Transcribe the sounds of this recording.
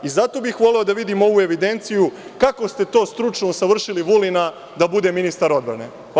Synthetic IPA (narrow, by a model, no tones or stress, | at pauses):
izat̪o̞bixʋo̞leod̪aʋid̪imo̞ʋue̞ʋid̪e̞nt̪sijukako̞st̪e̞t̪o̞ːst̪ɾut͡ʃnousaʋr̩ʃiliʋulina | d̪abud̪e̞minist̪aɾo̞d̪bɾa̰ne̞̰